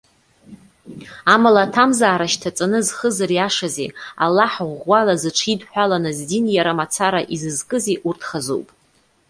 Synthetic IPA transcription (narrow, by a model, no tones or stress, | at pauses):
amalatʰamzaːɾaʃtʰat͡sʼanɨzχəzaɾiaʂazḛa̰lːaħʁʷalazɨʈ͡ʂʰidħʷᶣalanɨzdinjaɾamat͡sʰaɾaʔizɨzkʼɨzeʔurtʰχazo̰wpʼ